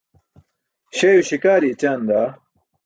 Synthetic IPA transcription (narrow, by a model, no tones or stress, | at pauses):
ɕejuɕikaːɾit͡ɕaːnd̪aː